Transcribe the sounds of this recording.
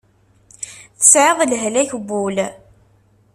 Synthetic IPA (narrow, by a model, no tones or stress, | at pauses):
θə̥sʕəðˤəlɦlæçbul